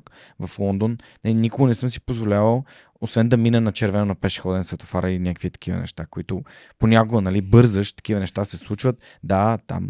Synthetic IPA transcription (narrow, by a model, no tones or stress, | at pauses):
k | vɐflˠɔnd̪onnɐlinʲikoɡonɛsɤmsi̥pozvolʲavəlˠ | osvɛnd̪ɐminɛnɐt͡ʃɛɾvɛnʊnɐpɛʃxɔd̪ɛnsvɛt̪o̥faɾəinʲakkvit̪ɐ̥k̟ivə̰nɛ̰ʃt̪akoit̪ʊponʲakoɡnɐlibɤɾzəʃt̪ɐ̥kʲivənɛʃt̪asɛslˠut͡ʃvət̪̚ | d̪at̪a̰m